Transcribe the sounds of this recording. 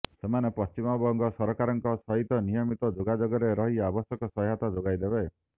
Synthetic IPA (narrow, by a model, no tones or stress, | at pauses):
semanepɔst͡ʃimɔbɔŋɡɔsɔɾɔkaɾɔŋkɔsɔɦit̪ɔnijɔmit̪ɔd͡ʒoɡad͡ʒoɡɔɾeɾɔɦiabɔsjɔkɔsɔjɦat̪ɔd͡ʒoɡajd̪ebe